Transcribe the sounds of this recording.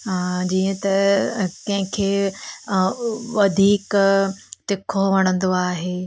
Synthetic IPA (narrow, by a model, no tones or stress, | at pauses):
ɦaːd͡ʑiːə̃t̪ɐkɐ̃ɦɪ̃kʰeː | ʋɐd̪ʱiːk | t̪ɪkʰoʋɐɽ̃ə̃n̆d̪oaːɦeː